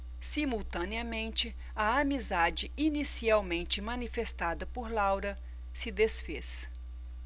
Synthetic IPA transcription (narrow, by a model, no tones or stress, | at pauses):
simuwt̪ɐ̃niɐmẽnt͡ʃɪ | ɐɐmizad͡ʒɪinisiawmẽnt͡ʃɪmɐ̃nifest̪ad̪ɐpoɾlawɾɐ | sɪd̪esfes